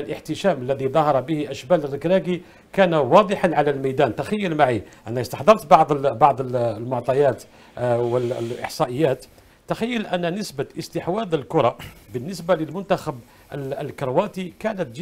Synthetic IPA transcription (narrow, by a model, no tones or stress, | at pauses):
lʔəħt̪əʃæməlːæðiðˤɑhɑɾˤɑbəhiʔæʃːbælərːəkɾæɡi | kænawɑd̪ˤəħɑnʕalælmæjd̪ænt̪axæjːəlmaʕiʔænːæəst̪ɑħd̪ˤɑɾˤt̪bɑʕd̪ˤbɑʕd̪ˤlmʊʕt̪ˤɑjæt̪ | wəlʔə̰ħsˤɑʔəjːæt̪ | t̪ːaxæjːəlʔænːænəsbaʔəst̪əħwæd̪ˤəlkʊɾˤɑbənːəsbaləlmʊnt̪æxæb | ʔəllkɾwæt̪ikænət̪d͡ʒ